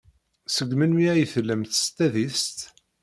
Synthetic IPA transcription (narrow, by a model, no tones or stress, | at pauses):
səɡmənmiæjəθlːəmθst̪æðist̪